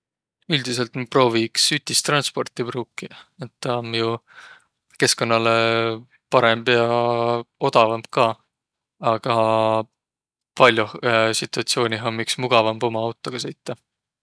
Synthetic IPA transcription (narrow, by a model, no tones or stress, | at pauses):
yld̪̥ise̞lt̪pro̞ːviksyt̪ʲːist̪rɑnspo̞rt̪ibruːkːiet̪ːɑmju | ke̞sko̞nːɑle | pɑɾemb̥jɑ | o̞d̪̥ɑvɑmp̚kɑː | ɑɡ̥ɑ | pɑlʲjusit̪ːˑuɑt̪sio̞ːnʲiɦomːiksmuɡ̥ɑvɑmbo̞mɑɑwt̪ːˑo̞ɡ̥ɑsɤjt̪ːɑ